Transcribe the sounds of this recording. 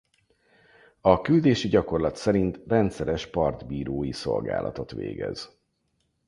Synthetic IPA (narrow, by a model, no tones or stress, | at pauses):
ɒkyld̪eːʃiɟɒko̞rlɒt̪sɛɾint̪rɛnt̪sɛɾɛʃpɒrd̪biːɾoːjiso̞lɡa̰ːlʔɒ̰t̪o̞t̪ʋḛːɡɛ̰z̥